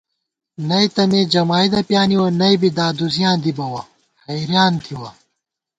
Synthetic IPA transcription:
nɐjt̪ɐmeːd͡ʑɐmaːid̪ɐpjaːniwɐnɐjbid̪aːd̪uzijãːd̪ibɐwɐ | hɐjɾjaːnt̪ʰiwɐ

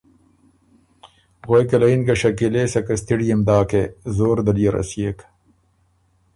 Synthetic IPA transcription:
ɣojkɐlɐinkɐɕɐkileːsɐkɐst̪ʰiɽijɐmd̪aːkezoːɾd̪ɐlijɐɾɐ̰siek

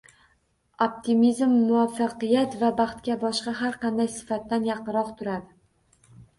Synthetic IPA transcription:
op̚t̪ʰimizmːʊafːɑqɨjat̪vabɑχt̪kʲabɒʃqɑɦaɾqʰɑnd̪ajsɪ̥fat̪ːanjɑqɨɾɒqt̪ʰʊɾad̪ɪ

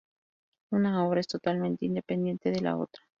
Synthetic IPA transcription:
unaoβɾaest̪ot̪almẽnt̪eind̪epend̪je̞nt̪eðela̰o̰t̪ɾa

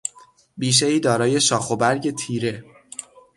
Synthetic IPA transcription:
biːʃ̬eiːd̪ɒːɾɒːje̞ʃɒːxobæɾɟe̞t̪ʰiːɾe̞

